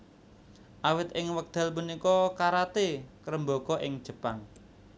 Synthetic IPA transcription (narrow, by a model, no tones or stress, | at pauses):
ʔawɪt̪̚ʔɪŋwək̚d̪̥a̤lpunikɔkaɾat̪ekəɾəmbokɔʔɪŋ̥ʒ̥ə̤paŋ